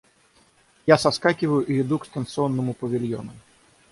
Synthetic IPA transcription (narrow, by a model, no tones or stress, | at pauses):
jasaskakʲivɐjʊʔiid̪ukst̪ɐnt̪sɨɔnːɨmupɐvʲilʲjɔ̰nɐ